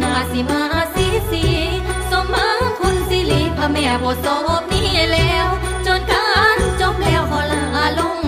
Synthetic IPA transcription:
naː˨˧˩si˨˦maː˧˦˧si˧˦si˧˦ | so˧˦mmaː˧˥ŋt̪ʰu˧˨nsi˧˦li˨˦pʰa˧mɛː˧˩bɔː˨˦sɔː˧˦ʔo˧˥p̚niː˧˥˩lɛː˧˦˥w | t͡ɕo˧nka˧˥nt͡ɕo˧˥p̚lɛː˧˩˨wɦɔ˧˩laː˧˩ʔaː˧lo˧˥˨ŋ

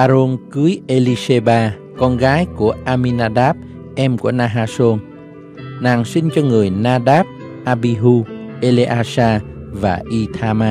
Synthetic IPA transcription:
ʔaː˧ɾo˧nkɨ˨˦əjʔe˧li˧se˧ɓaː˧ | kɔ˧nɣaː˨˦jku˧˩əʔaː˧mi˧naː˧ɗaː˦˥p̚ | ʔɛ˧mku˧˩ənaː˧ɦaː˧so˧n | naː˨˩ŋsi˧ŋ̟t͡ɕɔ˧ŋɨ˨˩əjnaː˧ɗaː˦˥p̚ | ʔaː˧ɓi˧ɦu˧ʔe˧le˧ʔaː˧saː˧va̰ː˨˩ʔi˧t̪ʰaː˧maː˧

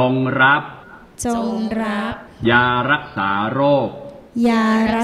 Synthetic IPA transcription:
o˧ŋɾa˦˥p̚ | t͡ɕo˧ŋɾa˦˥p̚jaː˧ɾa˦˥k̚saː˩˦ɾoː˥˩k̚ | jaː˧ɾa˦

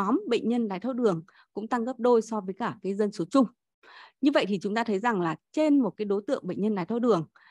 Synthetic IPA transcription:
ɔ˨˦mɓə̰˧˨ŋ̟ɲə˧nɗaː˨˦jt̪ʰo˧˩ɗɨ˨˩əŋ | kʊ̰˧˥ŋ͡mt̪a˧ŋɣə˦˥p̚ɗo˧jsɔ˧vəː˨˦jkaː˧˩kaː˨˦jzə˧nso˨˦t͡ɕʊ˧ŋ͡m | ɲɨ˧və̰˧˨jt̪i˨˩t͡ɕʊ˨˦ŋ͡mt̪aː˧t̪ʰə˨˦jza˨˩ŋlaː˨˩t͡ɕe˧nmo˨˩t̚kaː˨˦jɗo˨˦jt̪ɨ̰˧˨əŋɓə̰˧˨ŋ̟ɲə˧nɗaː˨˦jt̪ʰːwɗɨ˨˩əŋ

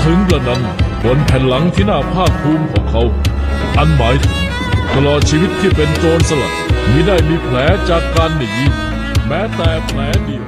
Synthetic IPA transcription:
t̪ʰɯ˦˥ŋp̪a˧˩na˧˥npʰo˨˩˦npʰɛ˨˩nla˩˦ŋt̪ʰiː˥˩naː˥˩pʰaː˥˩k̚p̪ʰuː˧mkʰɔː˩˦ŋkʰa˦˥w | ʔa˧nmaː˨˦jt̪ʰɯ˩˦ŋ | t̪a˧lɔː˨˩t̪̚t͡ɕʰiː˧wi˦˥t̪̚ʰːiː˥˩pe˧nt͡ɕoː˧nsa˧la̰˨˩t̪̚miː˧˥daː˥˩jmiː˧pʰlɛː˨˦˥t͡ɕaː˨˩kːaː˧nːɯ˨˩ŋi˦˥ | mɛː˦˥t̪ɛː˨˩pʰlɛː˨˦˥di˧˩˨w

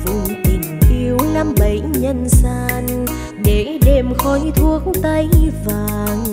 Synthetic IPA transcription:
vu˧ŋ͡mt̪i˨˩ŋ̟ʔi˧əwla˧mɓə˨˩jɲə˧˨nsaː˧n | ɗe˨˦ɗe˧mxɔ˧jt̪ʰu˧˦ək̚t̪ə˧jvaː˨˩˨ŋ

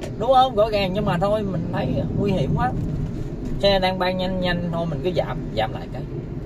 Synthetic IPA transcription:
ɗʊ˨˦ŋ͡mhə˧wŋ͡mɣɔ̰˧˥˦ɣaː˨˩ŋɲɨ˧ŋmaː˨˩t̪ʰo˧jmï˨˩ŋ̟t̪ʰə˨˦jŋwi˧hḭ˧˨əmhwaː˦˥t̚ | sɛ˧ɗaː˧ŋɓaː˧ŋɲa˧jŋɲa˧jŋ̟t̪ʰo˧jmï˨˩ŋ̟kɨ˨˦za̰ː˨˩mza̰ː˨˩mla̰ː˧˨jkə˧j

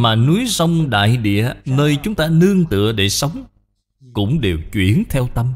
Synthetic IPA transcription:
maː˨˩nu˨˦jsə˧wŋ͡mɗa̰ː˧˨jɗḭ˧˨ənəː˧jt͡ɕʊ˨˦ŋ͡mt̪aː˧nɨ˧əŋt̪ɨ̰˧˨əɗe˧˩sə˨˦wŋ͡m | kʊ̰˧˥ŋ͡mɗe˨˩wt͡ɕwḭ˧˩ənt̪ʰɛ˧wt̪ə˧m

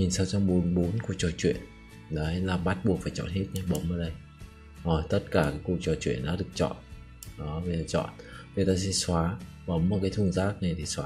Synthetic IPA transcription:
ɲi˨˩nsaː˧wt͡ɕɔ˧wmɓo˨˦nɓo˨˦nku˨˩ək̚t͡ɕɔ˧˩t͡ɕwḭ˧˨ən | ɗə˨˦jlaː˨˩ɓa˦˥t̚ɓu˨˩ək̚faː˧˩jt͡ɕɔ̰˧˨nhe˦˥t̚ɲa˧ɓə˨˦wŋ͡mʔəː˧˩ɗə˧j | ʔɔ˨˩jt̪ə˦˥t̚kaː˧˩kaː˨˦jku˨˩ək̚t͡ɕɔ˨˩t͡ɕwḭ˧˩˨ənɗa̰ː˧˥ɗɨ˨˩ək̚t͡ɕɔ̰˧˨n | ɗɔ˨˦və˨˧˩aː˧˩t͡ɕɔ̰˧˨nvi˨˩jt̪a̰ː˧˥sɛ̰˧˥swaː˨˦ | ɓə˨˦wŋ͡məː˨˩kaː˨˦jt̪ʰɨ˧˩əŋzaː˦˥k̚na˨˩jt̪ʰi˨˩swaː˨˦

